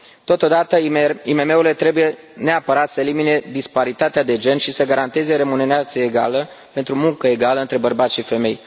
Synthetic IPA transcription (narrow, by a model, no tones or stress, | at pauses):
t̪o̞t̪o̞d̪at̪əime̞me̞uɾle̞t̪ɾe̞buje̞ | ne̞apəɾat̪səelimine̞d̪ispaɾit̪at̪ead̪e̞d͡ʒe̞nʃisəɡaɾant̪e̞zeɾe̞mune̞ɾeat̪səeɡa̰lə | pe̞nt̪ɾumuŋkəe̞ɡaləɨnt̪ɾe̞bərbat̪sʃife̞me̞j